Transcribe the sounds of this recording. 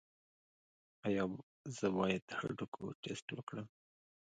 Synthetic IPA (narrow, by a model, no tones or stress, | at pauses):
ajɑ | zəbɑjɪd̪ha̰ɖukʰo̰ʈesʈwəkɽəm